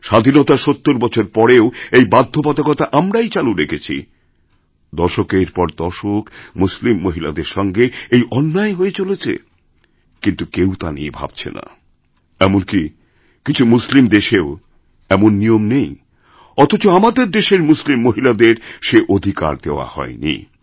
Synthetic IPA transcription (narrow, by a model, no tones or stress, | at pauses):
ʃad̪ʱinot̪aʃot̪ːoɾbɔt͡ɕʰoɾpɔɾeoejbad̪ʱːopɔt̪akɔt̪aʔamɾajt͡ɕaluɾekʰet͡ɕʰḭ | d̪ɔɾʃokeɾpɔɾd̪ɔʃokmuslimːoɦila̰d̪eɾʃɔŋɡeejʔɔnːaeɦoet͡ɕolet͡ɕʰḛ | kint̪ukewt̪anḭḛbʱa̰b̥̚t͡ɕʰḛna̰ | ɛmonki | kit͡ɕʰumuslimd̪eʃeo | ɛmonːijomnej | ɔt̪ʰot͡ɕoamad̪eɾd̪eʃeɾmuslimːoɦilad̪eɾʃeʔod̪ʱika̰ɾd̪eoa̰hɔ̰enḭ